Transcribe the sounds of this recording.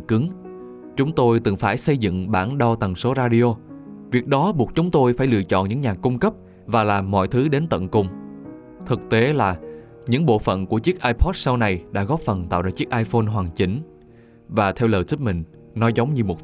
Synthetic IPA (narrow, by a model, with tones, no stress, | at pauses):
kɨ˨˦ŋ | t͡ɕʊ˨˦ŋ͡mt̪o˧jt̪ɨ˨˩ŋfaː˧˩jsə˧jzɨ̰˧˨ŋɓaː˧˩nɗɔ˧wt̪ə˨˩ŋso˨˦zaː˧ɗi˧o˧vi˨˩ək̚ɗɔ˨˦ɓu˨˩ək̚t͡ɕʊ˨˦ŋ͡mt̪o˧jfaː˧˩jlɨ̰˧˨ət͡ɕɔ̰˧˨nɲɨ̰˧˥ŋɲaː˨˩kʊ˧ŋ͡mkə˦˥p̚ | vaː˨˩laː˨˩mːɔ̰˧˨jt̪ʰɨ˨˦ɗe˨˦nt̪ə̰˧˨nkʊ˨˧˩ŋ͡m | t̪ʰɨ˨˩k̚t̪e˨˦laː˨˩ | ɲɨ̰˧˥ŋɓo̰˧˨fə̰˧˨nku˧˩ət͡ɕɨ˦˥ək̚ʔaː˧jpʰɔ˦˥t̚sa˧wna˨˩jɗa̰ː˧˥ɣɔ˦˥p̚fə˨˩nt̪a̰ː˧˨wɗa̰˧˨˩t͡ɕɨ˦˥ək̚ʔaː˧jfo˧nɦwaː˨˩ŋt͡ɕï˨˩˦ŋ̟ | vaː˨˩t̪ʰɛ˧wləː˨˩jtɨ˦˥k̚mï˨˩ŋ̟ | nɔ˨˦jzə˨˦wŋ͡mɲɨ˧mo˨˩t̚